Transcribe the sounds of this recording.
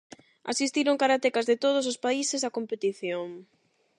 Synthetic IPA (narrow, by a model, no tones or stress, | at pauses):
a̰sist̪iɾoŋkaɾat̪ekɐzðet̪oð̞ʊs̬ʊspaisɪsakompet̪iθjoŋ